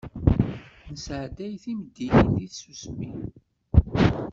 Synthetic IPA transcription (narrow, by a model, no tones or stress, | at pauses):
nəsʕd̪æjθiməd̪ːininðisusmi